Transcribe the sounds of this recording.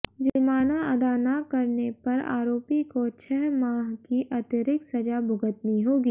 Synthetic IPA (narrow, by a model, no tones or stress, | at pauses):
d͡ʒɪɾmaːnaɐd̪aːnakɐɾnepɐɾa̰ːɾoːpikot͡ʃʰɛɦmaːɦkiʔɐt̪əɾɪksɐd͡ʒabʱʊɡət̪niɦoːɡiː